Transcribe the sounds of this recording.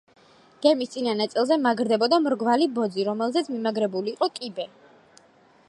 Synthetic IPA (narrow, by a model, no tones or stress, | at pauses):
ɡ̥ɛmist̪sʼinanat̪sʼilˠzɛmaɡɾd̪ɛbɔd̪amɾɡvalibɔd̪ziɾɔmɛlˠzɛt̪sʰmimaɡɾɛbuliːqʼɔkʼibɛ